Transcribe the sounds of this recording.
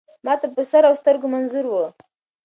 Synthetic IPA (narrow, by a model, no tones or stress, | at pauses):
mɑt̪apəsaɾawst̪əɾɡomanzuɾwə